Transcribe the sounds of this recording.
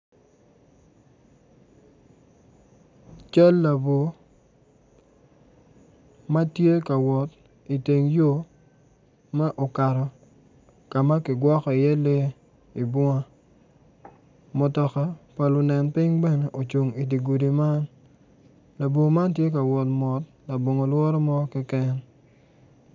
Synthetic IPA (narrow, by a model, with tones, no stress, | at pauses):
t͡ʃa˦lːa˨bo˨ | ma˦tje˦ka˨wɔ˨t | i˨te˨ŋjo˦ | ma˦ʔo˨ka˨ɾɔ˨ | ka˨ma˦kɪ˨ɡwɔ˦kɔ˨i˨jɛ˦le˦ | i˨bɔ˦ŋa˦ | mɔ˨tɔ˨ka˦pa˨lʊ˨nɛ˨npɪ˦ŋbɛ˦ne˨ʔo˨t͡ʃu˨ŋi˨di˨ɡu˨di˨ma˦n | la˨bo˨ma˦ntje˦ka˨wɔ˨tmɔ˨t̚ | la˨bo˨ŋo˨lwɔ˦ɾɔ˦mɔ˦kɛ˦kɛ˦n